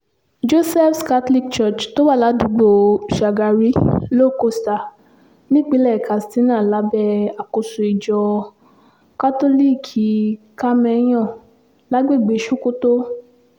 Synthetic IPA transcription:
d͡ʒo˦sɛ˦˨fska˧˦tli˦kt͡ʃɔ˦˨t͡ʃto˦wa˦˨la˨˦du˨˦ɡ͡bo˨ʃa˨ɡa˧ɾi˦lo˦˨ko˧˨sta˨ | nĩ˦k͡pi˦lɛ˦˨ka˨sti˨˦nã˦˨la˨˦bɛ˦a˨ko˧su˨i˨d͡ʒɔ˨ | ka˦to˦li˦kʰi˨ | ka˦mɛ̃˧˦j̃ɔ̃˦˨ | la˨˦ɡ͡be˦˨ɡ͡be˨˦ʃũ˦ko˦to˦

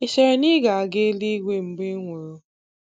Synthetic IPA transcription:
i˨ʃe˨ɾe˨ni˦ɡa˨a˨ɡe˦li˦ɡʷe˦m̩˨ɡ͡be˦ŋʷo˨ɾʊ˦

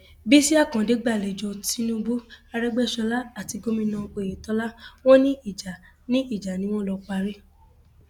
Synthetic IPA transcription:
bi˦si˦a˦˨kã˨de˨˦ɡ͡ba˦˨le˨d͡ʒɔ˧ti˦nũ˦bu˦a˧ɾɛ˦ɡ͡bɛ˦˨ʃɔ˧la˦a˦˨ti˨˧ɡo˦mĩ˧nã˧k͡pe˨je˨tɔ˨˧˦la˦wɔ̃˦nĩ˦i˦˨d͡ʒa˨ | nĩ˦i˦˨d͡ʒa˨nĩ˨˦w̃ɔ̃˦lɔ˧k͡pa˧ɾe˦

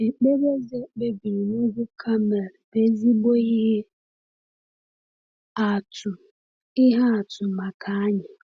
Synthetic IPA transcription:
e˨k͡pe˦ɾe˦zi˦e˦k͡pe˦bi˨i˨nu˦ɡʷu˦kʰa˦me˨ɾbe˨˦zi˦bo˦i˦ɦe˦ | a˨tʊ˨ | ɪ˦ɦa˦a˨tʊ˨ma˨kʰa˨a˦ɲɪ˨

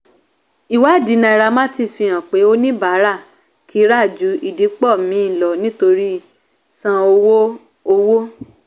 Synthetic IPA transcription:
i˨wa˨˦˨di˨˦nã˧i˧ɾa˧mã˦ti˦˨fĩ˧ã˨k͡pe˨˦o˦nĩ˦ba˨˦ɾa˦˨ | kʰi˨˦ɾa˦˨d͡ʒu˨˦i˨di˨˦k͡pɔ˦˨mĩ˨˦˨lɔ˨nĩ˦to˧ɾi˦ | sã˧o˧wo˦ | o˧wo˦

